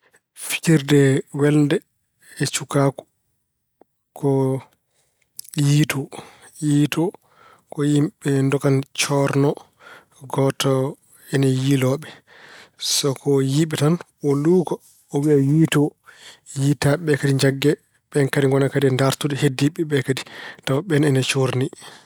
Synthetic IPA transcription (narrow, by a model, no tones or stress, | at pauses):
fikiɾdɛwɛldɛ | ɛt͡ʃukakɔ̥ | kɔ | jitɔ | jiːtɔ | kɔjimɓɛndɔkant͡ʃɔɾnɔ | ɡɔtɔ | ɛnɛjilɔɓɛ | sɔkʰɔjiɓɛtan | ɔluːkɔ | ɔwiajiːtɔjitaɓɛkadiɲd͡ʒaɡːɛ | ɓɛnkadiŋɡɔnakadndaɾtudɛhedːiɓːɛɓɛkaditawɓɛnɛnɛt͡ʃoɾni